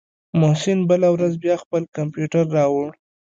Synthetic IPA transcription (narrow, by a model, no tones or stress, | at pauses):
mosinbəlawɾazbjɑxpəlkampjuʈaɾːɑwɽ